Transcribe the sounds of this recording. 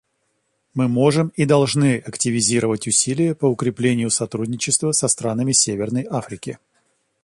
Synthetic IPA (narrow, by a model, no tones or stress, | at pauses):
mɨmo̞ʐɨmid̪ɐlˠʐnɨɐktʲɪvʲɪzʲiɾəvətʲʊsʲilʲɪjəpəʊkɾʲɪplʲenʲɪjʊsɐt̪ɾudʲnʲɪt͡ɕɪst̪vəsɐst̪ɾanəmʲɪsʲevʲɪrnəjafɾʲɪkʲɪ